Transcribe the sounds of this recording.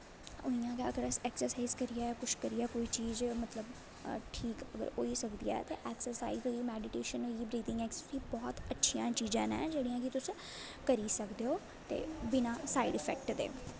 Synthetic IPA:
oijãːkaəɡəɾəsɛːksəɾsaːizkəɾɪjaːkʊt͡ʃʰkəɾɪaːkoːiːt͡ʃiːzmət̪ləb | ʈʰiːkəɡə̰ɾoːiːsəkd̪ija̰ːɛt̪eːʔɛːksəɾsa̰ːiːziːmɛːɖɪʈeːʃənoːiːbɾiːd̪ɪ̃ŋɡɛːksəsiːbɔːt̪ətːʃʰijãːt͡ʃiːzã̰ːnɛ̰̃ːd͡ʒeːɽijãːkɪt̪ʊs | kəɾiːsəkd̪eːoː | t̪ḛːbɪnaːsaːiɖɪfʰɛ̰ːk̚ʈd̪ḛː

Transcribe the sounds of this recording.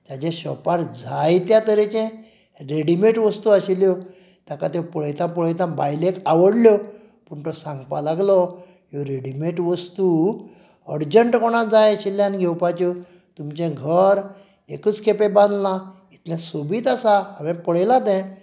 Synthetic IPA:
t̪ad͡ʑɛ̃ɕɔpaɾd͡zʱajt̪jat̪əɾɛt͡ɕɛ̃ | ɾeɽimeʈʋəst̪uaɕiljɔ | t̪jakat̪ɔpɔɭəjt̪ãpɔɭəjt̪ãbajlekaʋəɽljɔ | puɳt̪ɔsãŋɡpalaɡlɔ | jɔɾeɽimeʈʋəst̪u | əɾd͡ʑəɳʈkɔɽ̃ad͡zajɕiljãnɡʱɛwpat͡ɕu | t̪umt͡ɕɛ̃ɡʱəɾ | ḛkət͡skʰepebãnd̪lã | it̪ʰlɛ̃sobiːt̪asaəʋɛ̃pəɽjlãd̪ɛ̃

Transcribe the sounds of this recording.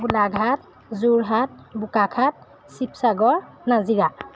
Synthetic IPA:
ɡulaɡʱat̚ | zuɹɦat̚bukakʰat̚ | sipsaɡɔɹnaziɡa

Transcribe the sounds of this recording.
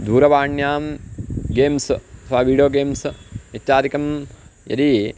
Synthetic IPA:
d̪ʱuːɾɐʋaːɳjaːmɡeːmsɐsʋaːʋiːɖijoːɡeːmsɐt̪t͡ʃaːɾikɐmjɐ̰d̪i

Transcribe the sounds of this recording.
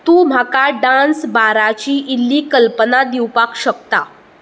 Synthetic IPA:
t̪uːm̤ʱakaɖansbaɾat͡ɕiːʔilːiːkəlpənad̪iwpakɕəkt̪a

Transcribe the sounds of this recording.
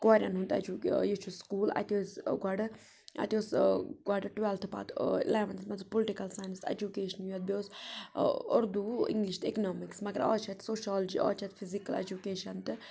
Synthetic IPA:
kaːɾʲjɐ̰nɦunt̪ɐ̰d͡ʒujet͡ʃʰuskuːlɐ̰t̪oːsɡaɖɨ | ɐ̰t̪osɡwaɖɐʈʋelt̪ʰpa̰ːt̪leːʋɐnsmɐnzɨpolɪʈikɐlsaːjnst̪ḛd͡ʒukeːʃɐnjuɛt̪̚boːs | ʊɾd̪uḭŋɡliʃt̪eknɔːmiksmɐɡɐɾɔ̰ːt͡ʃʰɛt̪soːʃaːld͡ʒḭʔɔ̰ːt͡ʃʰɐt̪fʰizikɐlḛd͡ʒukeːʃɐnt̪ɨ

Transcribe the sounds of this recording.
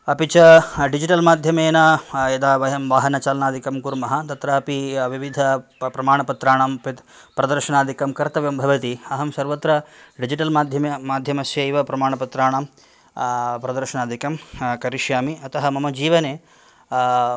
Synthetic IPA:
ɐpit͡ʃɐɖid͡ʒiʈɐlmaːd̪ʱjɐmeːnaed̪aːʋɐjɐmʋaːɦɐnɐt͡ʃaːlɐnaːd̪ikɐmkuɾmɐɦɐt̪ɐt̪ɾɐɐpiʋiʋid̪ʱɐpɾɐmaːɳɐpɐt̪ɾaːɳaːmpɐt̪ | pɾɐd̪ɐɾʃɐɳaːd̪ʱikɐmkɐɾt̪ɐʋjɐmbʱɐʋɐt̪iɐɦɐmsɐɾʋɐt̪ɾɐɖid͡ʒiʈɐlmaːd̪ʱjɐmemaːd̪ʱjɐmɐsjɐiʋɐpɾɐmaːɳɐpɐt̪ɾaːɳaːm | pɾɐd̪ɐɾʃɐɳaːd̪ʱikɐmkɐɾiʃjaːmiɐt̪ɐɦɐmɐmɐd͡ʒiːʋɐneː

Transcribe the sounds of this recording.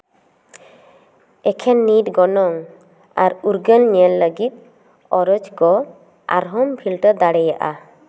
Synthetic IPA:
ɛkʰɛnːiʈɡɔnɔŋ | aɾuɾɡənniɛlːəɡit̪̚ | ɔɾɔd͡ʒɡɔ | a̰ɾɦɔmpʰilʈəd̪aɽɛjaʔa̰

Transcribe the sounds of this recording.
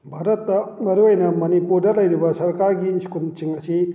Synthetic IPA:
bʱaɾɐtːɐmɐɾuɐjnɐmɐnipuɾdɐlɐjɾibɐsɐɾkaɾɡiskumt͡ʃiŋɐsi

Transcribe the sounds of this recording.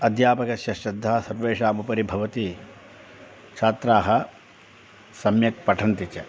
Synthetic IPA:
ɐd̪ʱjaːpɐkɐsjɐʃɐd̪ʱːaːsɐɾʋeːʂaːmupɐɾibʱɐʋɐt̪i | kt͡ʃʰaːt̪ɾaːɦɐ | sɐmjɐk̚pɐʈʰɐnt̪it͡ʃɐ

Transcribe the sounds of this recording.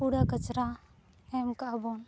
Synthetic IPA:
uɽakət͡ʃɾa | emkabon

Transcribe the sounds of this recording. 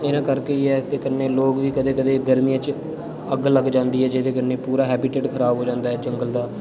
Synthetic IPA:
ɪnãːkəɾkeːiɛːt̪eːkənːeːloːɡʋiːkəd̪eːkəd̪eːɡəɾmijãːt͡ʃ | əɡləɡd͡ʒãːnd̪iːɦɛːd͡ʒed̪eːkəɾneːpuːɾaːɦɛːbɪʈeːɖkʰəɾaːbɦoːd͡ʒãːnd̪aːɦɛːd͡ʒəŋɡəld̪aː

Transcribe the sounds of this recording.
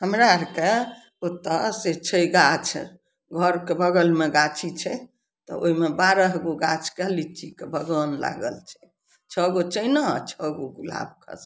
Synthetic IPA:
ɦəmɾaɾke | ot̪ːəset͡ʃʰəiɡat͡ʃʰɛ̰ | ɡʱəɾkebʱəɡəlmeɡat͡ʃʰit͡ʃʰɛ | t̪ɔ̰o̰ɦimebaɾəɦɡoɡat͡ʃʰkəlit͡ʃikebʱəɡənla̰ɡə̰lt͡ʃʰɛ̥ | t͡ʃʰəɡot͡ʃəjnət͡ʃʰəɡoɡula̰b̚kʰə̰s

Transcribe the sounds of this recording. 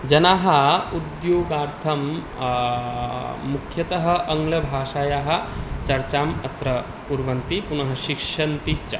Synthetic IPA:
d͡ʒɐnaːɦɐ̆ud̪joːɡaːɾt̪ʰɐm | ukʰjɐt̪ɐɦɐ̆ʔɐŋɡlɐbʱaːʃaːjaːɦɐ̆t͡ʃɐɾt͡ʃaːmɐt̪ɾɐ | puɾʋɐnt̪ipunɐɦɐʃikʂɐnt̪it͡ʃɐ

